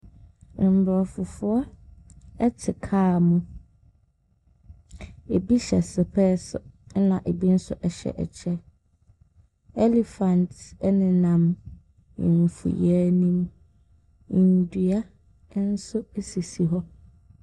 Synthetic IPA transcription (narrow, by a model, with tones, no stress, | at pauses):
m̩˨bɾɔ˨fʊ˨fʊ˦ɔ˦ | ɛ˦tʰɪ˨kʰaː˦˨mũ˦ | e˨bi˦ɕɛ˨sɪ˨pʰɛ˦sʊ˨˦nã˨ʔe˨bi˦n̩˦sʊ̰˦ʔɛ˨ɕɛ̰˨ʔɛ̰˨t͡ɕʰɛ˦ | ɛ˦li˨fã˨ntnɪ̃˨nã˨m | ɪ̰˨n˨fṵ˨jɛ˨˦nĩ˦m˨ | n˨dɥa˦ | n̩˦sʊ˦e˦si˨si˨ɦɔ˦